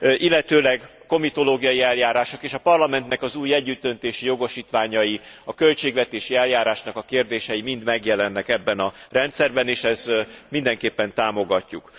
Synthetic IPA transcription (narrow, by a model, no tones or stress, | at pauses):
ʔilːɛt̪øːlɛɡɒko̞mit̪o̞loːɡijɒjiɛljaːɾaːʃo̞keːʃɒpɒrlɒmɛnt̪nɛkɒzuːjɛɟːyt̪̚d̪ø̞nt̪eːʃijo̞ɡo̞ʃiːt̪ʋaːɲɒjiɒkø̞lt͡ʃeːɡʋɛt̪eːʃiɛljaːɾaːʃnɒkɒkeːrd̪eːʃɛjimind̪mɛɡjɛlɛnːɛkɛbːɛnɒrɛnt̪sɛrbɛneːʃɛzmind̪ɛŋkeːpːɛnt̪aːmo̞ɡɒcːuk